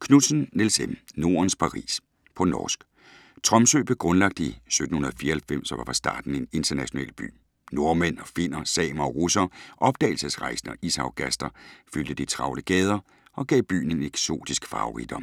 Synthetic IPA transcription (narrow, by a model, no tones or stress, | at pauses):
kʰnu̥sn̩nelsemno̝ːɐnspʰɑ̈ʁḭːs | pʰɒ̽nɒ̰ːsɡ̥ | t͡sʰʁɒ̽msø̰ːb̥eɡ̥ʁɔ̽nlɑ̈ɡ̥̚d̥əisød̥n̩hunɐðˠɒfiːɐhelfem̰sɒʋɑ̈fɑ̈sd̥ɑ̰̈ːd̥n̩e̝ne̝nd̥ʰɐnæɕo̝nɛ̰ːlb̥y̰ː | no̝ɐmen̰ɒfe̝n̰ɐsɛ̰ːmɐɒ̽ʁusɐʔɒ̽b̥̚d̥ɛ̰ɪl̩səsʁɑ̈ɪsn̩ɒ̽ʔisɑʊɡ̥ʰæsd̥ɐfyld̥əd̥it͡sʰʁɑ̈ʊləɡ̥ɛːð̞ˠɐ | ɒ̽ɡ̥ɛ̰ːb̥y̰ːn̩e̝neɡ̥so̝̰ːd̥isɡ̥fɑ̈oʁḭd̥ɒ̽m